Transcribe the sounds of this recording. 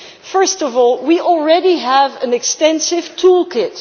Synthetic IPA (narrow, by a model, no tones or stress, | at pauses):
fɜ˞stɔvɔlˠwiʔɔl̩ˠɹɛɾiəvɨ̃nɨkstɛ̃nsɪv̥tʰulˠkʰɪt